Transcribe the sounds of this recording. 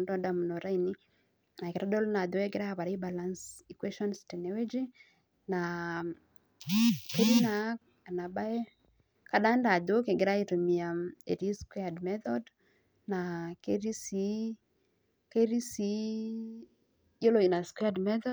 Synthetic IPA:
ndɔ˦da˨mu˨no˨ɾa˦ini˦ | na˨ke˨ɾa˦ɗɔ˦lna˨do˨ɛ˦ɡe˦ɾa˦a˨pa˨ɾa˦i˦ba˨la˦nsi˨kwe˦ʃɔ˦nstɛ˨ne˦we˦d͡ʒe˦ | na | ke˦ɾi˦na˨˦ | a˨na˨ɓa˦ɛ˦ | ka˦ɗa˦nda˨do˦ke˨ɡɪ˨ɾa˦i˨to˨mi˨a˨e˨ɾi˦skwe˦admɛθɔd | nake˦ɾi˦si˦ | ke˦ɾi˦si˨˦ | jo˦lo˨i˨na˨skwadmɛ˦θɔ

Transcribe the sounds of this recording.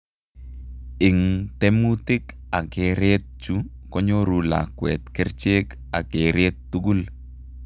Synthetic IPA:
ɪ˨ŋt̪ɛ˦mu˦tɪ˦k | a˨ɡe˨ɾe˦t̪̚t͡ʃu˦ | kɔ˦ɲo˦ɾu˨la̰˨kwɛ˨t̪kɛ˦ɾt͡ʃe˦k | a˨ɡe˨ɾe˦t̪̚ːu˦ɡu˦l

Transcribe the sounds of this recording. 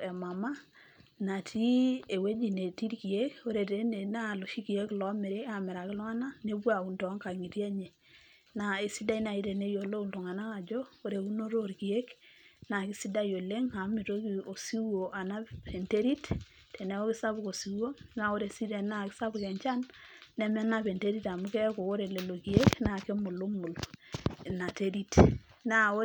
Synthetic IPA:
e˨ma˨ma˦ | na˨tʰi˦e˨we˦d͡ʒi˨ne˨ti˦ɾki˨e˦ko˦ɾe˨te˦ne˨na˦˨lo˨ʃi˦ki˨e˦klɔ˨˦mɛ˨ɾe˦a˨mɛ˨ɾa˨kɪ˦lɔ˦ŋa˦na˦ne˦bwa˨u˨ntɔ˨˦ŋka˨ŋi˨ɾja˦ɲe˨ | na˨e˨si˦da˦i˦na˨i˦ɾe˨ne˦jo˨lo˦u˨ltu˨ŋa˨na˦ka˨d͡ʒo˦o˦ɾe˨u˦no˦ɾo˦ɾki˨e˦kna˨ki˦si˦da˦jo˨le˦ŋa˨mi˨to˦ki˨o˨si˦wo˨ʔa˨na˦pe˨nte˦ɾi˦t | tʰe˨ne˨˦o˦ki˦sa˦βu˨ko˨si˨wo˦na˨o˦ɾe˨si˦ɾe˨na˦˨ki˦sa˦bu˨kɛ˨ɲt͡ʃa˦nːɛ˨mɛ˦na˨pe˨nte˦ɾi˦ta˨mu˦kɛ˦ko˨o˦ɾe˨le˨lo˨ki˨e˦kna˨ke˦mʊ˨lo˦mu˨l | na˨te˦ɾi˦t | na˦o˦

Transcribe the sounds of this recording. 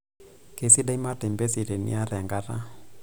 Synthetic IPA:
ke˨si˦da˦i˦ma˦te˨mbe˦si˨ɾe˨nḭ˦a˦ɾɛ˨ŋɡa˦ɾa̰˦

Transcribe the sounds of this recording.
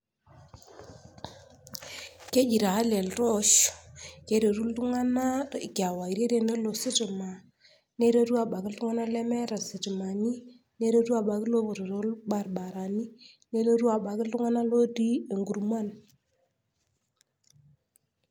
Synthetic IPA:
ke˦d͡ʒi˨ɾa˨a˦le˨lɾɔ˦ʃke˦ɾe˨ɾu˦ltu˦ŋa˦na˦˨kja˨wa˨i˨ɾe˦ɾe˦ne˦lo˨sɪ˦tɪ˨ma˨ | ne˦ɾo˦ɾu˦a˨ɓa˨kɪ˦ltu˦ŋa˦na˦lɛ˦mɛ˦ɾa˨si˨ti˨ma˨ni˦ | ne˦ɾo˦tu˦a˨ɓa˨ki˦lo˦βo˨ɾo˨ɾo˦lba˨rɓa˨ɾa˨ni˦ | ne˦lo˦ɾu˦a˨ɓa˨kɪ˦ltu˦ŋa˦na˦lo˦ti˦e˨ŋɡu˨ɾma˦˨n

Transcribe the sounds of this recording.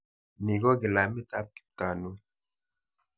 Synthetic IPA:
ni˨ɡɔ˦ɡi˨la˨mi˦t̪a˦p̚ki̥˨p̚ta˨nu˦

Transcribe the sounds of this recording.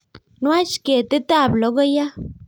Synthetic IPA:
nwa˦t͡ʃke˨t̪ɪ˦t̪a˦˨blɔ˨˦ɡɔ˦ja˦

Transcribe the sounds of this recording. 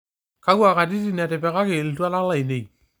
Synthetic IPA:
ka˦kwa˨ka˨ti˦ti˦na˨tɪ˨pɛ˨ka˦kɪ˨ltwa˦na˦la˨i˨ne˨j

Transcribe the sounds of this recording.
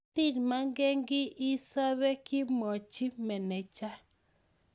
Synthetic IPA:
ti˦˨nma˦ŋɡɛ˦ŋɡɪ˦ʔɪ˦sa˦βɛ˦kɪ˦mɔ˨t͡ʃi˦mɛ˨nɛ˨t͡ʃa˦

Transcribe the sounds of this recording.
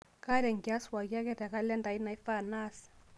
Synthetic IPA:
ka˦ɾɛ˨ŋɡja˦swa˨ɣja˦kɛ˦ɾɛ˨ka˦lɛ˦nda˨i˦na˨i˦fa˦˨na˦s

